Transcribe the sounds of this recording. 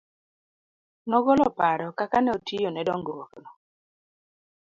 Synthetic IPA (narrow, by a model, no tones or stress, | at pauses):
nɔɡɔlɔpaɾɔkakanɛotijonɛdɔŋɡowɔknɔ